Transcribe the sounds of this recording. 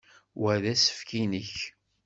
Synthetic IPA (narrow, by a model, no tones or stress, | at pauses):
wæðæsə̥fkinəç